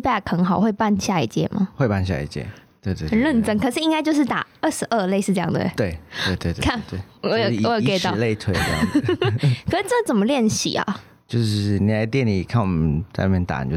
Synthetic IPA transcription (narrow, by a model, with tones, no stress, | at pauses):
pa˥˩˨kʰxə˧˥ŋxɑ˨˩ʊxwe˥˧ɪpa˥˧nɕja˥˧i˥˩t͡ɕjɛ̰˥mɐ̰˩xwe˥˧ɪpa˥˧nɕja̰˥˩ḭ˨˩t͡ɕjɛ̰˧˩t̪we˥˧ɪt̪we˧ə˨˩˧nlə˥˩nʈ͡ʂə˥ŋkʰɤ˨˩ʂɻ̩˥˩i˥ŋka˥ɪt͡ɕjo˥˧ʊʂɻ̩˥˩t̪a̰˨˩ə˥˩ʂɻ̩˧ʔə˥˧le˥˧ɪʂɻ̩˥˧ʈ͡ʂɤ˥˧jɑ̰˥ŋd̪ə̰˨ḛ˦t̪we˥˩ɪt̪we˥˧ɪt̪we˥˧ɪt̪kʰa˥˩t̪we˥˩ɔ˦jɔ˦o˨˧˩ke˥˨˩t̪ʊ˧le˥˧ɪt̪ʰwe˧˩ɪə˥˧jɑ̰˥˩ | kʰə˩ʂ̩˥˧ʈ͡ʂə˥˩˧t͡sə˨˩nmə˦ljɛ˥˧nɕḭ˨˩ɐ̰˩ | t͡ɕjo˥˧ʊʂɻ̩˥˩ni˨˩la˧˦t̪jɛ˥˩ni˨˩˨kʰa˥˩nwɔ˨˩mə˦nt͡sa˥˧ɪna˥˩mjɛ˥nt̪a̰˨˩n̰˨jo˥˧